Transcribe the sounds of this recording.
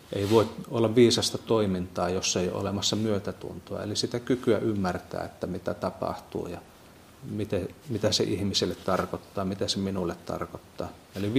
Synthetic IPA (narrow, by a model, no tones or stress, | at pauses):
ʔeiʋoˑit̪olːɑʋʋiːsɑst̪ɑt̪oimint̪ɑːjosːeio̰lemɑsːɑmyøt̪æt̪ṵnt̪uɑ̰ḛlisit̪ækykyæʔymːært̪æ̰ːet̪ːæmit̪æt̪ɑpɑ̰ht̪ṵːjɑ | mit̪emit̪æsḛʔihmiselːet̪t̪ɑrkot̪ːɑːmit̪æseminulːet̪t̪ɑ̰rkot̪ːɑ̰ː | eli